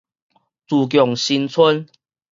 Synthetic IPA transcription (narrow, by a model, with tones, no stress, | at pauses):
t͡su˨˩k̬jɔ˨˩ŋɕi˧nt͡sʰə˦n